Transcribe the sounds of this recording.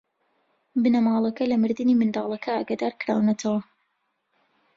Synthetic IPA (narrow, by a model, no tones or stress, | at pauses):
bɨnɐmɑːlˠɐkɐlɐmɨɾd̪ɨnimɨnd̪ɑːlˠɐkʰɐaːɡad̪aɾkɨɾa̰ːwnɐt̪ʰɐwɐ